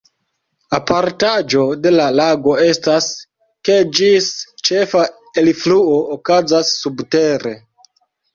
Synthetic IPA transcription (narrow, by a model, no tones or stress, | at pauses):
apʰaɾtad͡ʒo̞de̞lalaɡo̞e̞stas | ke̞d͡ʒist͡ʃe̞fa | elfluookazasːubte̞ɾe̞